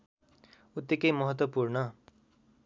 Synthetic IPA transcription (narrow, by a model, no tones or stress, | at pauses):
ut̪ːjʌkʌjmʌɦʌt̪wʌpurnʌ